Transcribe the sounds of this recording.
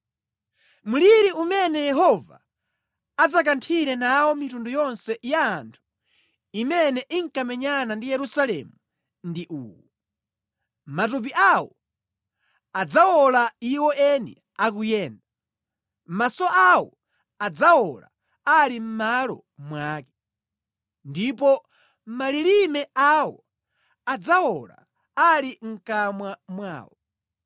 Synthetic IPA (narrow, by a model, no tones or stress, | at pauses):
muliɾiumɛnɛjɛɦɔva̰ː | d͡zakantʰiɾɛnawɔmitundujɔnsɛjaːntʰu̥ | imɛnɛʔiŋkamɛɲanandijɛɾusalɛ̰mu | ndiʔuːwɔ | matup̬iʔawɔ | ad͡zawɔlaiwɔʔɛnɛ̰ | ak̬ujɛːnda | masɔʔawɔ̰ | ad͡zawɔla | alim̩malɔ̰ | mwaːkɛ̥ | ndipɔ | maliɾimɛawɔ | ad͡zawɔla̰ | aliŋ̩kamwamwa̰ːwɔ